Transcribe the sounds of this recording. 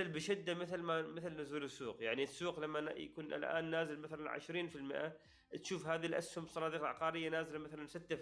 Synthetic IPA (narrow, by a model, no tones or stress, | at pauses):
lbɪʃɪd̪ːamɪθlmamɪθlnʊzuːlɪsːuːqjaʕnisːuːqlamːaja̰kuːnʔa̰lʔa̰ːnːaːzɪlmaθalaʕɪ̰ʃɾiːnfilmɪ̰ʔa | t̪ʃuːfhaːðilʔa̰shʊmsˤɑnɑːd̪iːqʕa̰qɑːɾɪjːanaːzɪlamaθalansɪt̪ːa